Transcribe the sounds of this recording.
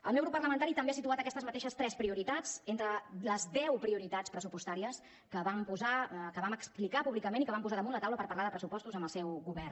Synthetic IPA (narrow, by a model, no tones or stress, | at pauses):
əlˠmeɛwɣɾupːərləmənt̪aɾit̪əmbeasit̪uat̪əkɛst̪əzmət̪eʃəst̪ɾɛspɾiuɾit̪ad͡zent̪ɾələzd̪ɛwpɾiuɾit̪at͡spɾəsupust̪aɾiəs | kəβampuzakəβaməksplikapuβlikəmenikəβampuzaðəmũnlət̪awləpəɾpəɾlaðəpɾəsupɔst̪uzəmbəlˠsɛwɣuβɛr